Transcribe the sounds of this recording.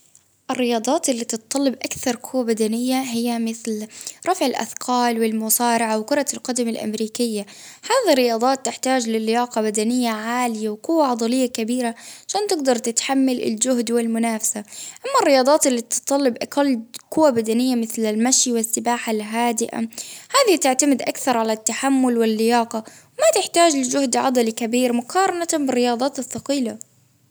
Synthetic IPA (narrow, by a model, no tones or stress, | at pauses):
ʔɪrːɪjɑːd̪ˤɑːt̪ɪlːiːt̪ɨt̪̚t̪ˤːɑlːɑbʔakθɑɾˤkʰʊwːabad̪anɪjːaɦɪjːamɪθlɾˤɑfʕɪlʔa̰θqʰɑːlwɪlmʊsɑːɾɪʕawkʊɾˤɑlqɑd̪amɪlʔa̰mɾiːkɪjːa | haːðarːɪjɑːd̪ˤɑːt̪ːɪħt̪aːd͡ʒlɪlɪjɑːqɑbad̪anɪjːaʕaːlɪjawkʊwːaʕɑd̪ˤɑlɪjːakabiːɾaʕaʃaːnt̪ɪɡd̪ɑɾˤt̪ɪt̪ħamːalɪ̰ld͡ʒʊhd̪wɪlmʊnaːfḁsaʔamːarːɪjɑːd̪ˤɑːt̪ɪlːit̪ɨt̪ˤːɑlːɪbʔakalːkʊwːabad̪anɪjːamɪθlalmaʃjwɪsːɪbaːħalɦaːd̪ɪʔa̰haːðit̪ɪʕt̪amɪd̪ʔakθɑɾˤʕalat̪ːaħamːʊlwɪlːɪjɑːqɑwmat̪ɪħt̪aːd͡ʒlɪd͡ʒʊhd̪ʕɑ̰d̪ˤɑlikabiːɾmʊqʰɑːɾˤɑnat̪abɪrːɪjɑːd̪ˤɑːt̪ɪθːɑqiːla